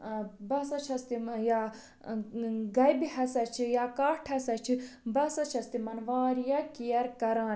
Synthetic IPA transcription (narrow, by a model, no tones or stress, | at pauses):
bɐsɐt͡ʃʰɐst̪ijaː | ɡɐjbihɐsɐt͡ʃʰijaːkaːʈʰɐsɐt͡ʃʰibɐsɐt͡ʃʰɐst̪imɐnʋaːɾjɐkijɐɾkɐɾãːn